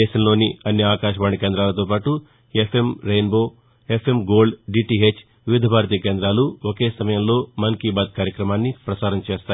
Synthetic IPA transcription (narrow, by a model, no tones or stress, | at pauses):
ɛːʃɐmlo̞ːniɐnːiaːkaːʃɐʋaːɳikeːnd̪ɾaːlɐt̪o̞ːpaːʈu | epʰe̞mɾejnbo̞ː | epʰe̞mɡo̞ːlɖɖiʈiːɦet͡ʃː | ʋiʋid̪ʱɐbʱaːɾɐt̪̬iːkeːnd̪ɾaːluokeːsɐmɐjɐmlo̞ːmɐnkiːbaːd̪̚kaːɾjɐkɾɐmaːnːipɾɐsaːɾɐmt͡ʃeːst̪aː